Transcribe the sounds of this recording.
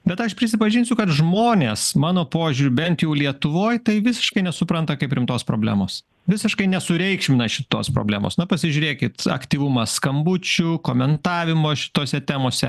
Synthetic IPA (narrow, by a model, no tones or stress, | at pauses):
bʲɛt̪ɐʃpʲɾʲɪsʲɪpɐʒʲɪnʲsʲʊkɐt̪ʒmoːnʲeːsmɑːnoːpoːʒʲʊɾʲʊbʲɛnt̪jɛʊlʲiɛt̪ʊʋoːjt̪ɐɪʋʲɪsʲɪ̥ʃkɐɪnʲɛsʊpɾɐnt̪ɐkɐɪpɾʲɪmt̪oːspɾoːbʲlʲæ̰ːmoːs | ʋʲɪsʲɪʃkɐɪnʲɛsʊɾʲɛɪkʃʲmʲɪnɐʃʲɪt̪oːspɾo̰bʲlʲæːmo̰ːsnɐpɐsʲɪʒʲʊːɾʲeːkʲɪt̪ɐ̰kt̪ʲiːʋʊmɐskɐmbʊt͡ʃʲʊkoːmʲɛnt̪ɑːʋʲɪmoːʃʲɪ̥t̪oːsʲɛt̪ʲæːmoːsʲɛ